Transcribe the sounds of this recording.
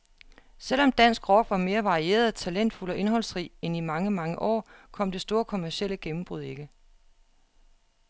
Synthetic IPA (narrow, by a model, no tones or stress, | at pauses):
sel̰ɒ̽md̥æn̰sɡ̥ʁɒɡ̥ʋɑ̈me̝ːɐʋɑ̈ʁie̝̰ːɐð̩ˠt͡sʰælen̰d̥fulɒ̽ʔe̝nɦɒ̽l̰sʁḭːenimɑ̈ŋəmɑ̈ŋəʔɒ̰ːkʰɒ̽m̰d̥e̝sd̥o̝ːɐkʰo̝mæɐɕel̰əɡ̥emm̩b̥ʁuðˠe̝ɡ̥ə